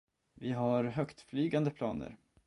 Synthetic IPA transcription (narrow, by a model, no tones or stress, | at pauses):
vɪɦaɾɦœkt̪flyːɡand̪əpʰlɑːnə̰ɾ